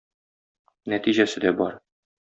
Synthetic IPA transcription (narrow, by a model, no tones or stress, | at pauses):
næt̪iʑæsɘd̪æbɒɾ